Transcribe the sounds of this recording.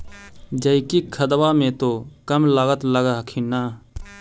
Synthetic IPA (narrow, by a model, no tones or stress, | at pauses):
d͡ʒəɪkikʰəd̪wamẽt̪okəmlaːɡət̪ləɡaɦkʰinaː